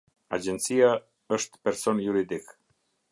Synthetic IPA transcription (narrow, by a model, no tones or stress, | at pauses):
a̰d͡ʒɛnt̪sia | əʃt̪pɛɾsɔnjuɾid̪ik